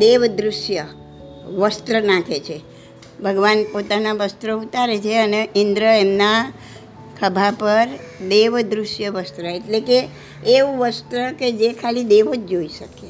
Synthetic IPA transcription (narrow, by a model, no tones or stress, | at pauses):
d̪eʋd̪ɾʊʃjə | ʋəst̪ɾənãkʰet͡ʃʰe | bʱəɡʋanpot̪anaʋəst̪ɾəut̪aɾet͡ʃʰeəneʔind̪ɾəemna | kʰəbʱapəɾd̪eʋd̪ɾʊʃjəʋəst̪ɾəeʈlekeː | ʋũʋəst̪ɾəked͡ʒekʰalid̪eʋod͡ʒd͡ʒoiʃəke